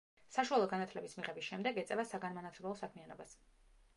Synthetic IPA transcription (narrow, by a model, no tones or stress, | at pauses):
saʃualˠɔɡanat̪ʰlɛbismiʁɛbisʃɛmd̪ɛɡɛt̪sʼɛvasaɡanmanat̪ʰlɛblˠɔsakʰmianɔbas